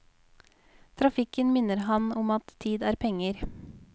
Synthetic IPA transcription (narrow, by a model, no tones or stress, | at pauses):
t̪ʰɾɑfɪkənmɪnəɾɦɑnɔmɑt̪ʰːiːd̪æːɾpʰɛŋəɾ